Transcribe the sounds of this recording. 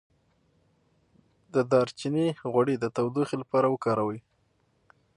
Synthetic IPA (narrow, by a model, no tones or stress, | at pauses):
d̪əd̪ɑɾt͡ʃiniɣwaɽed̪ət̪awd̪uxilapɑɾawəkɑɾawəj